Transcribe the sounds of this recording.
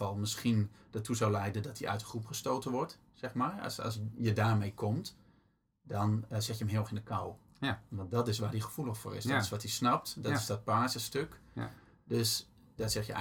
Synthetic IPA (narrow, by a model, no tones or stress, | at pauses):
ɔlˠmɪskindətʰːuzɔwlɛjdəndɔtʰiʔœ̰ɥtəxrupχəstoːtəʋɔrt | sɛxmar̰ɔ̰sjədaːrmejkʰɔmt | dɔnsɛtjəəm̩ɦɪxɪndəkʰaw | ʋɔnt̚dɔtɪs̬ʋaːdixə̥fulˠəxfo̰ːrɪ̰sdɔtɪsʋɔtisnɔp̚tdɔɪsdɔt̚paːzəstøk | døs | dɔsɛxjə̰